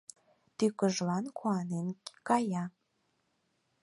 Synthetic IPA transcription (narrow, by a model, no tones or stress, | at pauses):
t̪ykəʒlɑnkʰuɑnenkɑjɑ